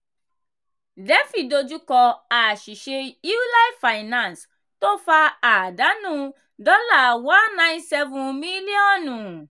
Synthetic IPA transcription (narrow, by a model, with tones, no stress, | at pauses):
dɛ˨˦fi˦˨do˧d͡ʒu˦kɔ˧a˨ʃi˨ʃe˧i˦la˦ffa˧i˨nã˧ns | to˦fa˧a˨da˨˦nũ˦ | dɔ˦la˦˨wã˦nnã˦j̃nsɛ˧vũ˧mi˦li˦ɔ̃˦˨nũ˨